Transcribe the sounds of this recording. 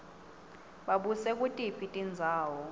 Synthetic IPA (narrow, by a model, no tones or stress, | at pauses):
ɓaɓusɛk̬ʼutʼipʰʼitʼind͡zʱaːwɔ